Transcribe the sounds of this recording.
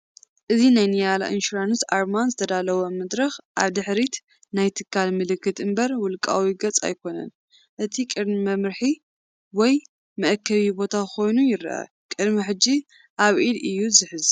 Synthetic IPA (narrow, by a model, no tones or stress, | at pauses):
ʔɨzinajnijala̰ʔɨnʃuɾanɨsʔaɾmanzɨt̪ʰɐd̪alɐwomɐd̪ɾɐxʔa̰βd̪ɨħɾit̪ | najt̪ʰɨkʰːalmɨlɨkːɨt̪ɨmbɐɾwʊlkʼa̰wiɡɐt͡sʼa̰jkʰo̞nɐ̰n | ʔɨt̪ʰikʼɨd̪mimɐmɾɨħi | wɔj | mɐʔkʰːɐβibo̞t̪ʰako̞jnujɪɾ̰ʔɐ̰ | kʼɨd̪miħɨd͡ʒi | ʔaβʔilɨjːuzɨħɨz